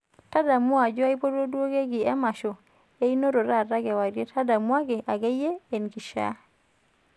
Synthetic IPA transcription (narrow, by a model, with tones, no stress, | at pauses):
ta˦da˨mwa˨d͡ʒɔ˦a˦i˦po˦do˦dwo˦ɡe˦ɡɪ˨ɛ˦ma˨ʃo˨ | e˦i˦no˦ɾo˨ɾa˦˨ɾa˦ɡɛ˨wa˨ɾje˦tʰa˦da˨mwa˦ɡe˨ʔa˨ɡe˦je˦e˨nki˨ʃa̰˦